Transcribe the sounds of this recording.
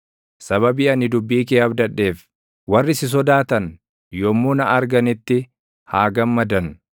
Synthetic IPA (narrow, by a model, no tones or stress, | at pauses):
sɐβɐbiːɐnɪd̪ʊbːiːkeːɐbd̪ɐᶑːe̞ːf | wɐrːɪsɪs̬ɔd̪aːt̪ɐn | jɔmːuːnɐɐɾɡɐnɪt̪ːɪ | haːɡɐmːɐd̪ɐn